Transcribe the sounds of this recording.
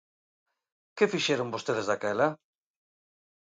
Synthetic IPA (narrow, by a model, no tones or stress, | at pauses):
kɪfiʃɛɾoŋbost̪eðezðakɛlɐ